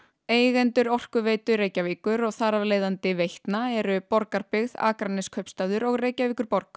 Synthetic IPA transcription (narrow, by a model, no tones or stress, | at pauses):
eːjɣɛnt̪ʏɾɔr̥kʏveːjt̪ʏɾeːjcaviːkʏɾɔɣθaːɾavleːjðant̪ɪvejht̪naɛɾʏpɔɾkaɾpɪɣða̰ːkɾanːɪskʰœɥpst̪aːðʏɾɔɣreːjcaviːkʏɾpɔɾk